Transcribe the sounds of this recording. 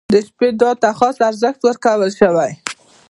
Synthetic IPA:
d̪əʃped̪ɑɾ̚t̪axɑsaɾzəxt̪wəɾkawəlʃəwaj

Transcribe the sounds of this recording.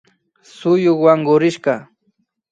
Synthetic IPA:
sʊjoχwaŋɢʊɾɪʃɢɑ

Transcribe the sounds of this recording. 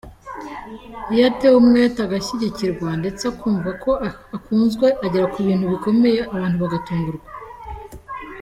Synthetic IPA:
ijatewumŋetaɡaçiɟiciɾɡwande̞t͡sakuːɱvakʰo̞ʔ | akuːnzɡwe̞ʔaɟeɾakuβiːnhuβiko̞me̞je̞ʔaβaːnhuβaɡatuːŋɡuɾɡwa

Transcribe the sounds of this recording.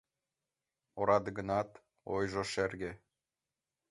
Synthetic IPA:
oɾɑd̪ɡɤ̆nɑt̪ | ojʒŏʃerɡʲe

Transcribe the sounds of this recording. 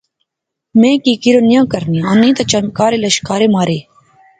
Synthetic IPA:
mẽːkiːkɪɾoːnɪjãːkəɾnĩːãːnĩːt̪ɐt͡ʃəmkaːɾeːləʃkaːɾeːmaːɾeː

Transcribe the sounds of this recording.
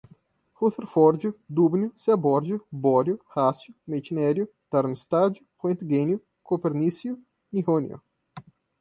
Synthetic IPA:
huθeɾfɔɾd͡ʒud̪ubnjʊsebɔɾd͡ʒubɔɾjʊhasjʊmet͡ʃinɛɾjʊ | t̪aɾmist̪ad͡ʒuχwẽnt̪ɡenjʊ | kopeɾnisju | nihonjṵ

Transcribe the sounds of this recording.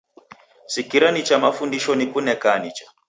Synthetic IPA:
sikiɾanit͡ʃamafundiʃɔnikunɛkanit͡ʃḁ

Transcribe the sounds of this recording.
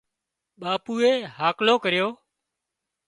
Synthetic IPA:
ɓaːpuːeːɦaːkloːkəɾɪjoː

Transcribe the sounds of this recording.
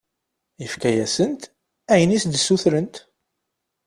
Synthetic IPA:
ifkæjæsənt̪ | æjənisd̪sːuθɾənt̪

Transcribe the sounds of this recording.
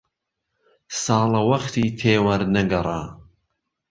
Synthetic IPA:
sɑːlɐwɐχt̪ʰiːt̪ʰeːwɐɾnɐɡɐɾˤa̰ː

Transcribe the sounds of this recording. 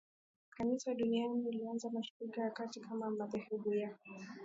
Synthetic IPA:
kʰanisaɗunianiːlianzamaʃu̥ɾikajakatikʰamamatɛhɛɓujakɔ

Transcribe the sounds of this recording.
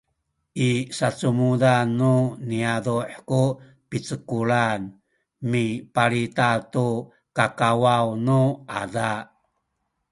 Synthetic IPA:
ʔisat͡sumudanːuniaduħku | pit͡səkuɭan | mipaɾitatu | kakawawnuʔada

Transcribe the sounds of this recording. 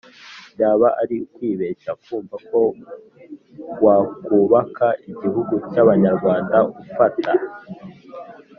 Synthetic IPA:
jaːβaʔaɾikwiːβeʃakuːɱvako̞ | ɡwaːkuːβakʰaʔiɟiɦuɡucaβaɲaɾɡwaːndaufatʰa

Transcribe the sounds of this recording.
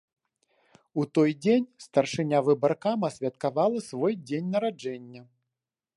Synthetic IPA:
ut̪ɔjd͡zʲenʲst̪ɐrʂɨnʲavɨbɐrkamɐsʲvʲɐt̪kavalˠɐsvɔjd͡zʲenʲnɐɾad͡ʐɛnʲːɐ

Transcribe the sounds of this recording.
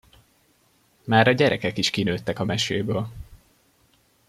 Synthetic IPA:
maːɾɒɟɛɾɛkɛkiʃkinøːt̪ːɛkɒmɛʃeːbøːl

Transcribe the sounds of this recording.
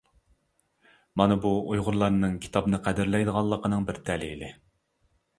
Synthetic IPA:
mɑnɨbuojʁʊɾlˠɑɾnɨŋkʲʰi̥t̪ʰɑbnɨqʰæd̪ɪɾlɛjd̪əʁɑlˠːəqʰənɨŋbɪɾt̪ʰɛlilɪ

